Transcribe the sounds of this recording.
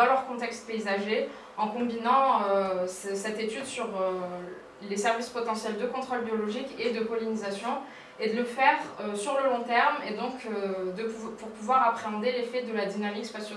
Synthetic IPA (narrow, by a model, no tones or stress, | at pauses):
d̪ɑ̃lœʁkɔ̃t̪ɛkst̪̚peizaʒe | ɑ̃kɔ̃binɑ̃øssɛt̪et̪yd̪syʁø | lesɛʁvispɔt̪ɑ̃sjɛld̪əkɔ̃t̪χɔlbjɔlɔʒiked̪əkɔlinizasjɔ̃ | ed̪ələfɛʁøsyʁləlɔ̃t̪ɛʁmed̪ɔ̃kød̪əppuʁpuvwaʁapχeɑ̃d̪elefɛd̪əlad̪inamikspasjo